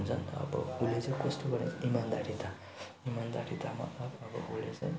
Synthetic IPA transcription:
unt͡sʰʌnʌ̰bʌ̰ulːet͡sʌj̃kʌsʈoɡʌɾnḛimand̪aɾit̪a | imand̪aɾit̪ʰama̰ʌʌbʌ̰ulet͡sʌj̃

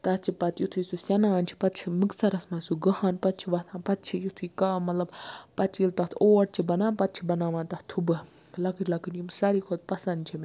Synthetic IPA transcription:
t̪ɐt͡ʃʰipɐt̪jut̪ʰujsusʲɐnaːnt͡ʃʰi̥pɐt̪̚t͡ʃʰimɨksɐɾɐsmɐnsuɡɐhanpɐt̪̚t͡ʃʰiʋɐt̪ʰãːnpɐt̪̚t͡ʃʰijut̪ʰujkɐmɐt̪lɐbpɐt͡ʃilt̪ɐt̪ʰoːʈ̚t͡ʃʰibɐnaːnpɐt̪̚t͡ʃʰibɐnaːʋaːnt̪ɐht̪ʰubɨ | lɐkɨʈʲlɐkɨnjimsɐɾikʰot̪̚pɐsɐnt͡ʃʰime

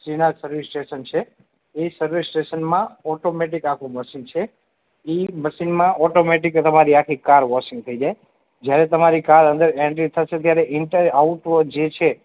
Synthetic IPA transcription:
sɾinad͡ʒsəɾʋisʈeʃənt͡ʃʰe | esəɾʋisʈeʃənmãɔʈomeʈikakʰũməʃint͡ʃʰe | iməʃinmãɔʈomeʈ̬ikt̪əmaɾiakʰikaɾʋɔʃɪ̃ŋɡt̪ʰəid͡ʒae | d͡ʒjaɾet̪əmaɾikaɾə̃nd̪əɾɛ̃ɳʈɾit̪ʰəʃet̪jaɾeʔɪɳʈəɾauʈd͡ʒet͡ʃʰe

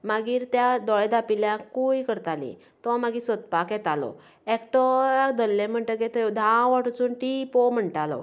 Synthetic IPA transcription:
maɡiːɾt̪jad̪ɔɭed̪apiljãkuikəɾt̪alḭ̃ | t̪ɔ̃maɡiːsɔt̪̚pakjɛt̪alɔ̰ | ekʈɔad̪əlːẽm̤əɳʈ̪əket̪əd̪ʱãʋaʈt͡suːnʈipɔm̤əɳʈalɔ̰

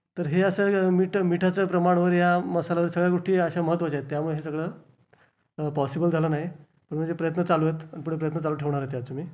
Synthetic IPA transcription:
t̪əɾɦeəsəmiʈʰmiʈʰat͡səːpɾəmaɽ̃ʋəɾjaməsalaʋəɾsəɡɭjaɡoʂʈiːəɕaməɦət̪ːʋət͡ɕaet̪ːjamuɭeɦesəɡɭəː | pɔsibəld͡zʱalənaɦi | pəɳm̤əɳd͡zepɾəjət̪nət͡salujet̪ənipuɽ̤epɾəjət̪nət͡saluːʈʰeʋɳaɾet̪jat͡somiː

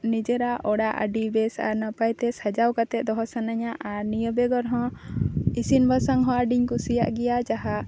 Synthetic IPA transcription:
nid͡ʒɛɾaʔɔɽaʔə̰ɖibɛsa̰ɾnapajt̪ɛsad͡ʒawkat̪ɛʔ̚d̪ɔɦɔsanaɲaʔaɾnijɔbɛɡɔɾɦɔ̃ | isinbʱasaŋɦɔ̃əɖiɲkusija̰ʔɡɛjad͡ʒaɦaʔ

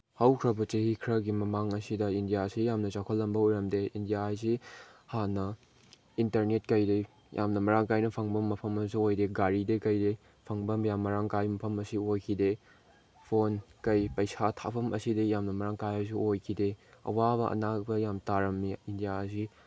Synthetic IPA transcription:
hɐwkʰɾɐbɐt͡ʃehikʰɾɐɡimɐmaŋɐsidɐindijasijamnɐt͡ʃakʰolːɐmbɐojɾɐmdeindijas̬ihanɐ | intɐɾnet̚kɐjde | jʔa̰mnɐmɐɾaŋkajnɐpʰɐŋbɐmːɐpʰɐmɐsiojdeɡaɾidekɐjde | pʰɐŋbɐmjamːɐɾaŋkajmɐpʰɐmɐsiojkʰide | pʰonkɐjpɐjsatʰapʰɐmʔɐ̰sidejamnɐmɐɾaŋkajɐs̬iojkʰideɐ̰wabɐʔɐ̰nabɐjamtaɾɐmːiindijaɐs̬i

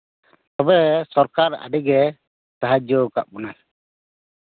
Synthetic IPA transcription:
t̪ɔbɛsɔɾkaɾa̰ɖiɡɛ | saɦad͡ʒɔka̰ʔbɔnaj

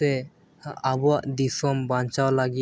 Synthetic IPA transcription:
ɛ | abɔwaʔd̪isɔmbaɲt͡ʃawlaɡi

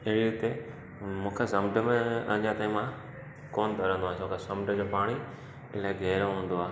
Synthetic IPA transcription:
ɪɦɽiʊt̪e | mũːkʰesɐmɖəmẽɐ̰̃d͡ʑãt̪ɐ̃ĩmã | koːnt̪ɐɾə̃nd̪oãːsõːkesɐ̃mɖʱəd͡ʑoːpaːɽ̃i | ɪlaːɪɡʱɛːɾõɦũːnd̪oaː

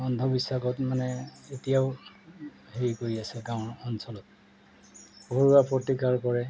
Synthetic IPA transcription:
ɔndʱɔbisːakɔtmanɛetijaʊ | heɹikoɹiasɛɡaʊ̃nɔnsɔlɔt̚ | ɡʱoɹuapɹotikaɹkɔɹɛ

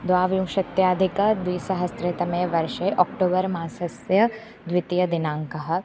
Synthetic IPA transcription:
d̪ʋaːʋumʃɐt̪jaːd̪ʱikɐd̪ʋiːsɐɦɐsɾɪt̪ɐmẽːʋɐɾʃɐjʔɔːkʈoːbɐɾmaːsɐsjɐ | d̪ʋɪt̪jɐd̪ɪnãːŋkɐɦɐ̆

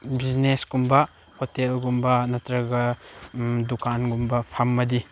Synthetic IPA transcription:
biznesɡumbɐ | hotelɡumbɐnɐtɾɐɡɐ | dukʰanɡumbɐpʰɐmːɐdi

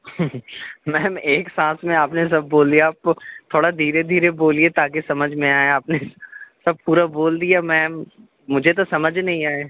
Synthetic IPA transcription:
mɛ̃ːmeːksãːsmẽaːpnes̬ɐbːoːld̪ijaaːpt̪ʰoːɽad̪ʱiːɾed̪ʱiːɾeboːliet̪aːk̬esɐməd͡ʒʱmẽaːeaːpnesɐb̚puːɾaboːld̪ijamɛ̃ːm | mʊd͡ʒʱet̪̬osɐməd͡ʒʱnɐɦĩaːe

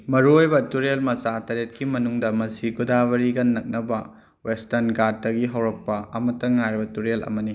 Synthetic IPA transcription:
mɐɾuojbɐtuɾelmɐsatɐɾet̚kimɐnuŋdɐmɐsiɡudaβɐɾiɡɐnːɐk̚nɐbɐ | westɐɾnɡad̚dɐɡiɦɐwɾɐk̚pɐɐmɐtːɐŋajɾbɐtuɾelɐ̰mɐni

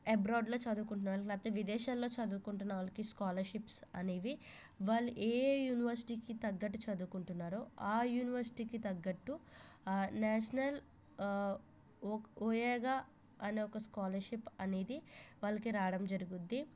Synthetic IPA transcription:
ebɾaːɖlo̞ːt͡ʃɐd̪uːkuɳʈ̬unːɐʋalklaːt̪ːɐʋid̪ɛːʃaːlːo̞ːt͡ʃɐd̪uːkuɳʈunːɐʋaːlɐkiskaːlɐɾʃipsɐ̰neːʋi | ʋaːlːuʔeːjuːniʋɐɾsi̥ʈiːkit̪ɐɡːɐʈ̬ːut͡ʃɐd̪uːkuɳʈunːaːɾuaːjuːniʋɐɾsi̥ʈiːkit̪ɐɡːɐʈːu | naːʃɐnɐl | oːjɛːɡaː | ɐneːɔkɐskaːlɐɾʃipɐne̞ːd̪iʋaːlːɐkiɾaːɽɐmd͡ʒɐɾuɡud̪ːi

